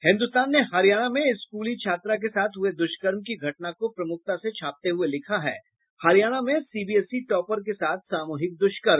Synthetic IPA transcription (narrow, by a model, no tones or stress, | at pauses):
hɪ̃nd̪ʊst̪aːnːeɦɐɾijaːɽ̃amẽɪskuːlit͡ʃʰaːt̪ɾak̬esaːt̪ʰɦʊed̪ʊʃkəɾmkiɡʱɐʈnakopɾɐmʊk̚t̪aset͡ʃʰaːp̚t̪eɦʊelɪkʰaɦɛ̰ː | hɐɾijaːɽ̃amẽsiːbiɛsiʈɔːpəɾkesaːt̪̚ʰsaːmuːɦɪk̚d̪ʊʃkəɾm